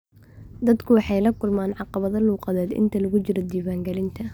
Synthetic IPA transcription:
d̪ɐd̪kʰʊwɑħɑjlɐkʰʊlmaːnʕɑqɑβɐðɐluːqɑðɛːd̪ʔɪ̰nt̪ʰɐlɐɣʊt͡ʃɪɾɔd̪iːwaːŋɡɐlɪnt̪ʰɐ

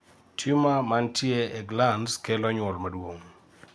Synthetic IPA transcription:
tʰimamantjeːɡlanskɛlɔɲwɔlmadwoŋ

